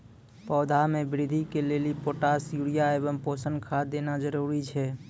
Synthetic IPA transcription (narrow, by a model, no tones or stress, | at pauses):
pɔʊd̪ʱamebɾid̪ʱikelelipoʈasjuɽijaebəmposənkʰad̪enad͡ʒəɾuɾit͡ʃʰɛ